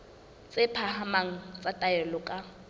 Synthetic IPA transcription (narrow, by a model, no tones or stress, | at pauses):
t͡sʼɪpʰahamaŋ̩t͡sʼatʼaɛlʊkʼa